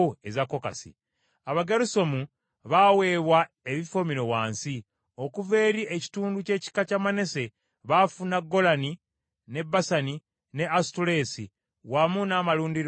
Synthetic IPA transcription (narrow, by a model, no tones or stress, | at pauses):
ezakːo̞ka̰sḭ | aβaɡeɾuso̞mu | βawe̞ːβwa | eβifo̞miɾo̞waːnsi | o̞kuve̞ːɾieci̥tuːnduce̞ːci̥kacamane̞se̞ | βafunaɡo̞lani | ne̞bːasani | ne̞astuɾe̞ːsi | wamunaːmaluːndiɾ